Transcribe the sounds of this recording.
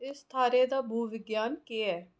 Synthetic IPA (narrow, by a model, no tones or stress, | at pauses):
ɪst̪ʰaːɾeːd̪aːbʱuːʋɪɡjaːnkeːɛː